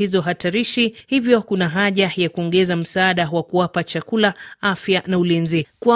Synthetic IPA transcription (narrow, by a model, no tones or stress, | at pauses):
izɔɦataɾiʃihivjɔkunaɦaʄajakuɔŋɡɛzam̩saaɗawakuwapat͡ʃakulaafjanaulinzikwa